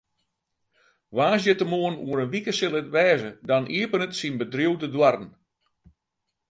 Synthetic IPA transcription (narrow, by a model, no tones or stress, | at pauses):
ʋaːsjətəmoənuəɾənʋikəsɪlˠətʋɛːzədɔnʔiəpənətsinbədriəwdədwarn̩